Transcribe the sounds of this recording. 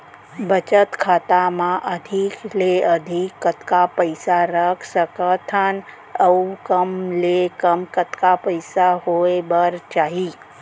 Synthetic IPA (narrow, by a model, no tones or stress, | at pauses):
bʱət͡ʃət̪kʰaːt̪amãʔəd̪ʱikleəd̪ʱikːət̪kapəɪsaɾəkʰsəkət̪ʰan | əukəmlekəmkət̪kapəjsaɦoebəɾt͡ʃaːɦi